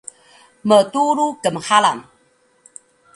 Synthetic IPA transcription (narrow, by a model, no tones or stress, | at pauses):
mətuɾukəmhalam